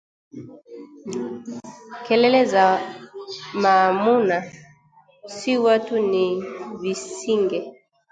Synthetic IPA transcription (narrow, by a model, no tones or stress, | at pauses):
kɛlɛlɛza | mamuna | siwatunivisiŋɡɛ